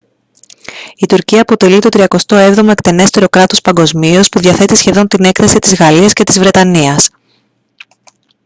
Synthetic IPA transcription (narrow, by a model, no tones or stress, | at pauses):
it̪uɾciɐːpo̞t̪e̞lit̪o̞t̪ɾiɐko̞st̪o̞e̞vðo̞mo̞e̞kt̪e̞ne̞st̪e̞ɾo̞kɾɐt̪o̞spɐŋɡo̞zmio̞spuðjɐθe̞t̪isçe̞ðo̞nt̪ine̞kθɐsit̪izɣɐliɐsce̞t̪izvɾe̞t̪ɐniɐs